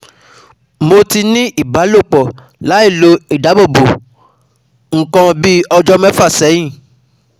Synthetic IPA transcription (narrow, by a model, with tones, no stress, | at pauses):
mo˧ti˧nĩ˦ʔi˦˨ba˨˦lo˦˨k͡pɔ˨ | la˨˦i˦˨lo˧˦i˦˨da˨˦bo˦˨bo˨ | ŋ̩˨kã˧bi˦ɔ˧d͡ʒɔ˦mɛ̃˦fa˦˨sɛ˨˦j̃ĩ˦˨